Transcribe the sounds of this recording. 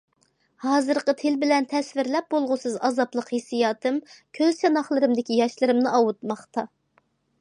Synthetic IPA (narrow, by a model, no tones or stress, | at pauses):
hɑːzɨɾqət̪ʰelbɪlɛnt̪ʰɛsvɪɾlɛp̚bolˠʁʊsɨzɑzɑplˠəqhesijɑːt̪ʰɨmkʲʰøzt͡ʃɑnɑχlˠɨɾɨmd̪ɪkʲijɑʃlˠɨɾɨmnɨʔɑwut̪̚mɑχt̪ɑ